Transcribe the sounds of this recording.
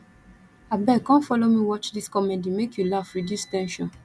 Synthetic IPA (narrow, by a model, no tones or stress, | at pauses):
abɛkãnfɔlomiwɔt͡ʃdiskɔmedimekʰjulafɹidjustɛ̃nʃɔ̃n